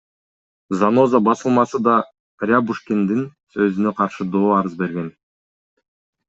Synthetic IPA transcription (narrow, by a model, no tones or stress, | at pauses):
zano̞zabɑsɯlˠmɑsɯd̪ɑ | rʲabuʃkʲend̪insø̞zynøqʰɑɾʃɯd̪o̞ːɑɾɯzbe̞ɾɡe̞n